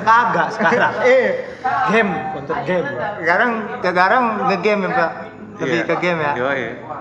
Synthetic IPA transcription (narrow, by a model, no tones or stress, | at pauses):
t̪aɡaʔsə̥kaɾaŋɛ | ɡɛmkɔnt̪ərɡɛmkaɾaŋkəkaɾaŋɡəɡɛmɛmpaʔ | ləbikaɡɛmjaʔ